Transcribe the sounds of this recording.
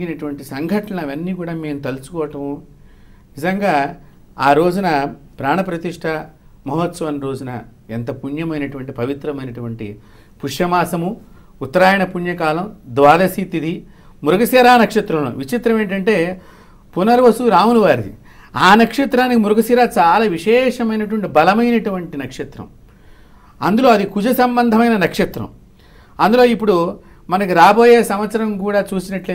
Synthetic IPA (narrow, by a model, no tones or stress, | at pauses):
inɐʈuʋɐɳʈisɐŋɡʱɐʈɐnɐʋɐnːiːkuːɽaːme̞ːmut̪ɐlusu̥kɔːɐʈɐmu | nizɐŋɡaː | aːɾo̞ːd͡ʒunɐ | pɾaːɳɐpɾɐt̪iʂʈʰɐmɐɦɐt̪sɐʋɐnɾo̞ːd͡ʒunɐ | ent̪ɐpuɳjɐmɐjnɐʈuʋɐɳʈipɐʋit̪ɾɐmɐjnɐʈuʋɐɳʈi | puʂjɐmaːsɐmuː | t̪ːɐɾaːjɐɳɐpuɳjɐkaːlɐmd̪ʋaːd̪ɐsit̪id̪i | muɾuɡɐsɛɾaːnɐkʂɐt̪ɾɐmo̰ːʋit͡ʃit̪ɾɐme̞ːɳʈɐɳʈe̞ː | punɐɾʋɐsuɾaːwunuʋaːɾid̪ḭ | aːnɐkʂɐt̪ɾaːnikimuɾɐɡɐsiɾaːt͡ʃaːlaːʋiʂɛːʂɐmɐjnɐʈuʋɐɳʈibɐlɐmɐjnɐʈuʋɐɳʈinɐkʂɐt̪ɾɐ̰m | ɐ̰nd̪ulo̞ːɐd̪ikud͡ʒɐsɐmbɐnd̪ʱɐmɐjnɐnɐkʂɐt̪ɾɐ̰m | ɐnd̪ulo̞ːipːuɽu | mɐnɐkiɾaːbo̞ːjeːsɐmʋɐt̪sɐɾɐmkuːɽaːt͡ʃuːsinɐʈleː